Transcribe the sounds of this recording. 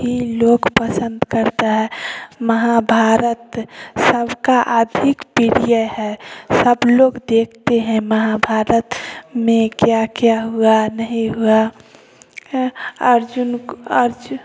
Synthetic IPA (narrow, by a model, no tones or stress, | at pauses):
ɦiloːɡpəsə̃nd̪kəɾt̪aɦɛːməɦabʱaːɾət̪səbkaʔəd̪ʱɪkpiɾijəɦɛsəbloːɡd̪eːkʰt̪eɦɛ̃məɦabʱaːɾət̪mẽkjakjaɦuanəɦĩɦua | əɾd͡ʒʊnəɾd͡ʒ